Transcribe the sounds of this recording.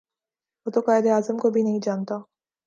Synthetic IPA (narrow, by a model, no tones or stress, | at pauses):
ɦoːt̪okaːɪd̪eaːzəmkobʱinɐɦĩd͡ʒaːnt̪aː